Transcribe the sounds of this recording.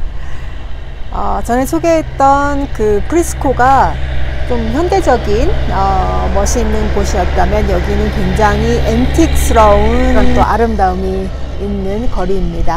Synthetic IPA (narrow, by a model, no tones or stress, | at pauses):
ʌ̰t͡ɕʌnesʰoɡeɦet̚t͈ʌnkɯpʰɯɾisʰɯ̥kʰoɡa | t͡ɕ͈omçjʌnde̞d͡ʑʌɡinʌmʌɕʰiːnːɯnɡoɕʰijʌt̚t͈amjʌnjʌɡinɯnkweŋd͡ʑaŋɦiʔentʰik̚s͈ʰɯɾʌuʌoʔaɾɯmdaɯmiː | nːɯnkʌɾiːmɲida